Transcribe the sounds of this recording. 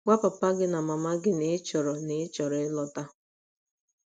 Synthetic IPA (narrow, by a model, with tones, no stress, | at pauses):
wʷa˦pa˨pa˦ɡɪ˦na˨ma˨ma˦ɡɪ˦nɪ˦t͡ʃɔ˨ɾɔ˨nɪ˦t͡ʃɔ˨ɾɔ˨ɪ˦lɔ˨ta˦